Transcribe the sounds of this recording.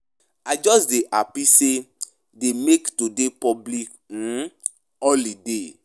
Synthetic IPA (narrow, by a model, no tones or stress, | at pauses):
ad͡ʒɔsdeʔapise | demektudepɔblik̩ | ɔlide